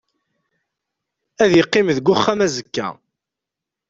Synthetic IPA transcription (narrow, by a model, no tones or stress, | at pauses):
æðjəqːimðɡʷʊχːæmæzəkːæ̰